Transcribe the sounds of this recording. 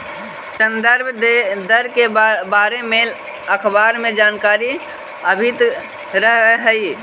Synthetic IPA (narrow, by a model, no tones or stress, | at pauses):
sənd̪əɾb̪ʱd̪əɾkebaɾemel | əkʰbaɾmed͡ʒaːnkaɾi | əbʱit̪ | ɾəɦɦəi